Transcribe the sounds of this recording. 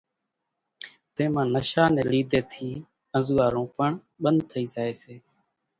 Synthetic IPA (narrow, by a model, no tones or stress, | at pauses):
t̪ẽːmãːnəʃaːnẽːliːd̪eːt̪ʰiː | ə̃zuːaːɾõːpəɳ | ɓənd̪̚t̪ʰəiːsaːeːseː